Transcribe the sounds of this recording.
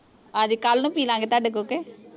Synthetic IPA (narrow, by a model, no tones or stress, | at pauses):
aːd͡ʒiːkəlnũːpiːlãːŋɡeːt̪aːɖekoːkeː